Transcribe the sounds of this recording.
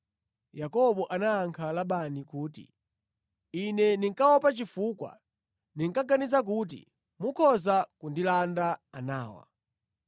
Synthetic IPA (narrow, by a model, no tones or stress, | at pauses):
jakɔɓɔʔanaːŋkʰalaɓanikuːtḭ | inɛndiŋkawɔpat͡ʃifukwa̰ | niŋ̩kaɡanizak̬uːt̬ḭ | mukʰɔzakundilandaanaːwa̰